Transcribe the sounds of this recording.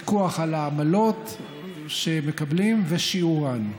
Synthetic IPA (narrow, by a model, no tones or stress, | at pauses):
koaχalaːmalot̪ | ʃemekablimveʃiuʁan